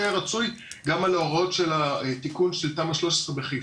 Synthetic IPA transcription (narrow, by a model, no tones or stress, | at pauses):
eʁat͡sujɡamaloaʁo̞tʃe̞lat̪ikunʃeltamaʃlo̞ʃe̥sʁebeχe